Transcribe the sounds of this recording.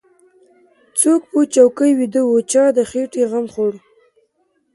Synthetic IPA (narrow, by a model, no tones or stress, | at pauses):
t͡sok̚pot͡ʃawkəjwid̪əwot͡ʃɑd̪əxeʈeɣamχoɽ